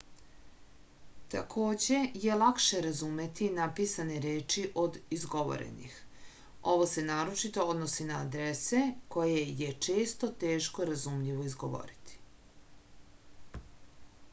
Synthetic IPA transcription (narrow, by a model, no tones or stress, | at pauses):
t̪akʰo̞ːd͡ʑe̞je̞lˠakʃe̞ɾazume̞t̪ʰinapiːsaneɾeːt͡ʃiʔo̞d̪izɡo̞ʋo̰ɾḛnḭx | o̞ʋo̞se̞naːɾo̞t͡ʃit̪o̞od̪nosinaːd̪ɾese̞ko̞jeje̞t͡ʃe̞ːst̪o̞t̪e̞ːʃko̞ɾazumʎiʋo̞izɡoʋo̰ɾit̪ʰi̥